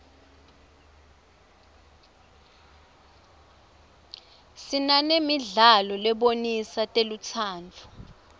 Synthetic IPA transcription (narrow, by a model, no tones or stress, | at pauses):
sinanemiɮalɔlɛɓonisatʼelut͡sʰaːnt͡fʰu̥